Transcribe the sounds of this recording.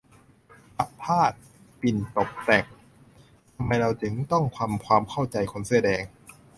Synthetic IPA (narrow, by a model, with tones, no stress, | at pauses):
ʔa˧˦pʰːaː˥˩t̪̚ | pi˨˩nt̪o˨˩k̚t̪ɛ˨˩k̚ | t̪ʰa˧mːa˧jɾa˧wt͡ɕɯ˩˦ŋt̪ɔ˥˩ŋkʰwaː˧mkʰwaː˧mkʰa˥˩wt͡ɕa˧jkʰo˧nsdɛː˧ŋ